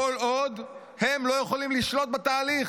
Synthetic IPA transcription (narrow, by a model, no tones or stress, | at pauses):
olod̪ | he̞mlo̞jeχolimliʃlo̞t̪̚bat̪aːli